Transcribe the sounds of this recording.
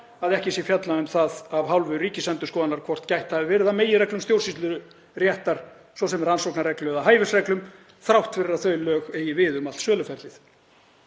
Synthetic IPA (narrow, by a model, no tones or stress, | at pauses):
aðɛhcɪsjɛfjat̪laʏmθaðavɦawlvʏriːcɪsɛnt̪ʏskɔːðanaɾkʰvɔr̥t̪cajht̪haɪvɪɾɪðameːjɪrɛklʏmst̪jowr̥sist̪lʏɾʏ | rjɛht̪aɾ̥ | svɔsɛmɛɾansowknaɾɛklœðaɦaːjvɪsrɛklʏm | θɾawht̪fɪrːaθœɥlœːɣeːjɪvɪðʏmalt̪sœːlʏfɛɾt̪ɪθ